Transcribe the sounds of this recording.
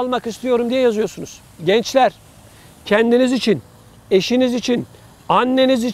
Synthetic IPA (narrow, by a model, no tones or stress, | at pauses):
lˠmakist̪ʰijo̞ɾumd̪ijɛjazɯjo̞ɾsunuz̥ | ɟɛnt͡ʃlʲæɾ̥ | cʰɛnd̪inizit͡ʃʰin | e̞ʃinizit͡ʃʰin | anːe̞nizi